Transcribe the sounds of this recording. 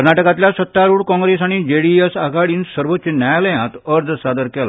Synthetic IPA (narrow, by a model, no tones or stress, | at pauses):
kəɾnaʈəkãt̪ljasət̪ːaɾuːɽkɔ̃ŋɡɾesaɽ̃id͡ʑeɽiesaɡʱaɽiːnsəɾʋot̪ːt͡ɕenajaləjãt̪əɾd̪ʱsad̪əɾkɛla̰